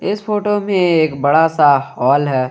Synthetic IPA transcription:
ɪsfoːʈomẽeːkbɐɽasahɔːlɦɛː

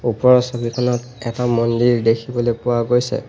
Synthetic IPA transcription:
upɔɹɔsɔbikʰɔnɔt | ɛtamɔndiɹdekʰibɔlojpʊwaɡojsɛ̰

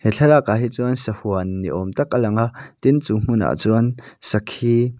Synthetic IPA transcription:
hɛt͡ɬʰɛlaʔkaːɦit͡suɐnsɐhuənːiʔɔmt̪ɐk̚alɐŋaʔt̪int͡suːm̥ʊna̰ʔt͡suansɐkʰhiː

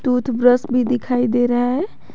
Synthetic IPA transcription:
t̪ut̪ʰbɾəsbʱid̪ikʰajd̪eɾəɦaɦɛ

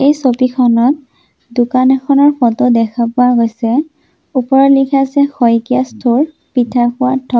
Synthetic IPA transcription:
ejsopikʰɔnɔt̚ | dukanɛkʰɔnɔɹpɔtodɛkʰapʊwaɡojsɛ | upɔɹɔlikʰazɛxɔjkiastʰoɹ | pitʰapʊwatʰːɔ

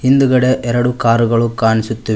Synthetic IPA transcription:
hind̪ɯɣɐɽeʔɛɾɐɽukaːɾɯɣɐɭukːaːnisut̪ːɐʋ

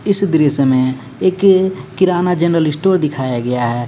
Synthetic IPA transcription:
ɪsd̪ɪɾisemẽ | eːkːɪɾanad͡ʒənɾəlɪsʈoːɾd̪ɪkʰaːjaɡəjaɦɛː

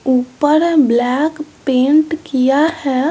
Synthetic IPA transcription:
upəɾblɛkpẽɳʈkijahɛ

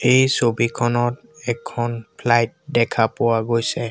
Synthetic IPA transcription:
ejsobikʰɔnɔt | ɛkʰːɔnpʰlajt̚dɛkʰapʊwaɡojsɛ

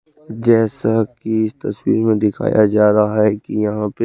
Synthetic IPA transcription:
d͡ʒɛːsakiɪst̪ɐswḭːɾmẽd̪ɪkʰa̰ːjad͡ʒaːɾɐɦaɦɛkijɐɦãpe

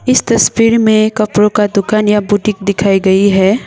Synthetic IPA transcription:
ɪst̪ɐswiːɾmẽkɐpɾõkad̪ʊkaːnjabuːʈɪ̃kd̪ɪkʰaːiɡɐiɦɛː

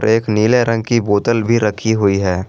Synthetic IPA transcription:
ɾeːkniːleɾə̃ŋɡ̚kiboːt̪əlbʱiɾəkʰiɦʊiɦɛː

